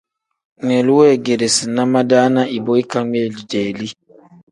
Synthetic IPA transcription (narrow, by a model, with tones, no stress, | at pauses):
ŋɛ˨lu˦wɛ˦˨ɡe˨ɾe˨si˨na˦ma˦daː˦na˦ʔi˨bo˦i˦ka˦ŋ˦ɛ˦˨li˨d͡ʒɛː˨li˦